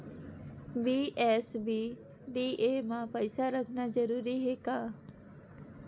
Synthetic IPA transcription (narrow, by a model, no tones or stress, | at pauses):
biːʔɛːsbiː | ɖiːʔeːmãpəɪsaɾəkʰnazəɾuːɾiɦeːkaː